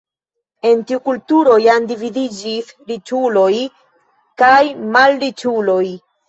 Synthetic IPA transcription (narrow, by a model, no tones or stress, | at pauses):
e̞ntiukultuɾo̞jandividid͡ʒisɾit͡ʃulo̞j | kajmalɾit͡ʃulo̞j